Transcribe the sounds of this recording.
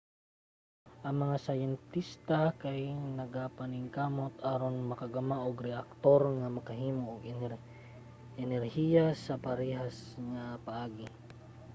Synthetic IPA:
ʔɐŋmɐŋasajɛnt̪ist̪akajnɐɡapanɪŋkaːmot̪ʔaːɾonmɐkaɡamaʔoɡɾɛʔak̚t̪oɾŋamɐkaɦiːmoʔːɡ | ʔɛnɛɾhiːjasɐpaɾɛːɦasŋapaʔaːɡɪ

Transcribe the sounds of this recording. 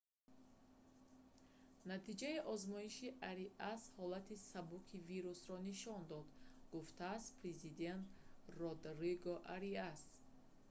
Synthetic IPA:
nat̪ʰid͡ʒaiʔɔzmɔiʃiʔaɾiʔashɔlat̪ʰisabukʰiviɾusɾɔniʃɔnd̪ɔd̪ɡuft̪ʰaːst̪pʰɾezid̪e̞nt̪rɔd̪ɾiɡɔʔaɾias

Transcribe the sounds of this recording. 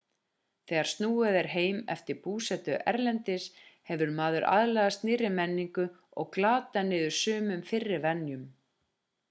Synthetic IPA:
θɛːɣaɾ̥st̪nuːɛðɛɾ̥ɦeːjmɛ̰ft̪ɪɾpuːsɛt̪ʏʔɛɾlɛnt̪ɪshɛvʏɾmaːðʏɾʔa̰ðlaɣast̪nɪɾɪmɛnːiŋkʏ | ɔɣklaːt̪anɪːðʏɾ̥sʏːmʏmfɪrːɪɾvɛnːjʏm

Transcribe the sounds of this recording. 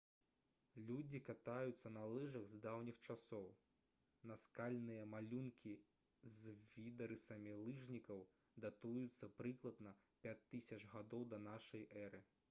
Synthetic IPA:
lʲud͡zʲikat̪ajut̪sːɐnɐlˠɨʐɐɣzd̪awnʲixt͡ʂasɔw | nɐskalʲnɨjɐmalʲunkʲi | zvʲid̪ɐɾɨsɐmʲilˠɨʐnʲikɐw | d̪at̪ujut̪sːɐpɾɨklˠɐd̪nɐ | pʲat͡sʲt̪ːɨsʲɐt͡ʂɣad̪ɔwd̪ɐnaʂɐjʔɛɾɨ

